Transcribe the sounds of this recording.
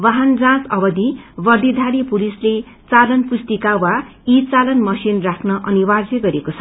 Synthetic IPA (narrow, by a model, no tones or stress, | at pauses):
baɦand͡zãt͡sʌbʌd̪ʱibʌrd̪id̪ʱaɽipulisle | t͡salʌnpust̪ikawa | it͡salʌnmʌsinrakʰnʌʔʌniβard͡zʌɡʌɾekot͡sʰʌ